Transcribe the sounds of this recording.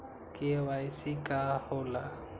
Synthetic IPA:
kʼɪɛwaisɪkʼahʊla

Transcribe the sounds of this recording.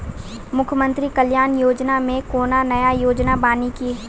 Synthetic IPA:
mʊkʰjmə̃nt̪ɾikɐljaːnjoːd͡ʒnamẽkoːnanɐjajoːd͡ʒnabaːniki

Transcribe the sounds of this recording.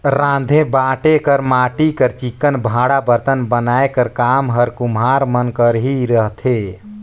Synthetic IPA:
ɾãd̪ʱẽbaʈekəɾmaʈikəɾt͡ʃikːənbʱãɽabəɾt̪ənbənaekəɾkamɦəɾkumɦaɾmənkəɾɦiɾəɦt̪ʰe

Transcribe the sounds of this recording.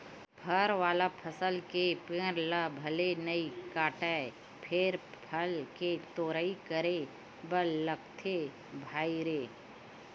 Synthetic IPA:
pʰəɾʋaːlapʰəsəlkepẽːɾlabʱəlenəikaːʈə | pʰɪɾpʰəlket̪oːɾəikəɾe | bəlːəkt̪ʰe | bʱaːiɾeː

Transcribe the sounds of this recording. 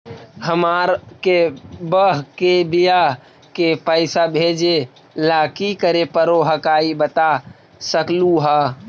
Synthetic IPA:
həmaːɾkebəɦkebija | kepəɪsabʱed͡ʒe | laːkikəɾepəɾoɦəkaːibət̪a | səkluɦa

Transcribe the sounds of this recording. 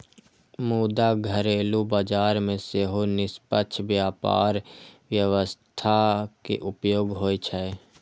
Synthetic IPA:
muːd̪aɡʱəɾeːlubaːd͡ʒaːɾmẽseɦonɪspəʃʰbjaːpa̰ːɾʋjəʋəst̪ʰakḛʔʊpjoːɡɦoːet͡ʃʰə

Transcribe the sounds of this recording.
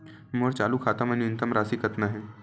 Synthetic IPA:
moːɾt͡ʃaːlukʰaːt̪əmɐnjʊnt̪əmɾaːsikɐt̪naɦɛː

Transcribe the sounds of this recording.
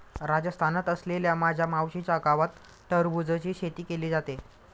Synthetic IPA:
ɾad͡ʑəst̪ʰanat̪əsleljamad͡ʑʱjamawɕit͡ɕakaʋat̪ː | əɾbud͡zət͡ɕiːɕet̪iːkeliːd͡zat̪e

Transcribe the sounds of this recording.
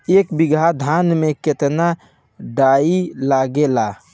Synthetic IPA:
ekbiɡʱad̪ʱanmeket̪na | ɖailaɡela

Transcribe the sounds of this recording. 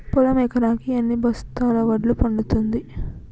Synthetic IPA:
pɔlɐmɛkɐɾaːkiɐnːibɐst̪aːlɐʋɐɖlupɐɳɖut̪und̪i

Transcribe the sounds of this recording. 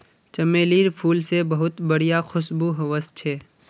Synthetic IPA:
t͡ʃɐmeːliːɾpʰuːlsebɐɦʊt̪bɐɽ̤ijaxʊʃbuɦɐʋəst͡ʃʰeː

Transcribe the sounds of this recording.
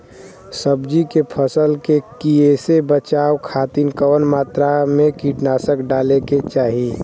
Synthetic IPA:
səbd͡ʒikepʰəsəlkekiesebət͡ʃaːwkʰaːt̪inkəʋənmaːt̪ɾamẽkiʈnaːsəkɖaːleket͡ʃaːɦi

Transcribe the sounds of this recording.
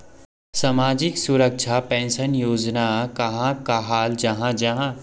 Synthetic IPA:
samaːd͡ʒɪksʊɾək̚ʃʰapɛ̃ːnʃənjoːd͡ʒnakɐɦãkaɦaːld͡ʒɐɦãd͡ʒɐɦã

